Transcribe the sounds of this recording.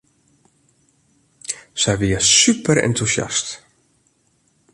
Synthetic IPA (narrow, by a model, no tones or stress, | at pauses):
sɛjʋiəsypʰəɾɛ̰ntʰusja̰st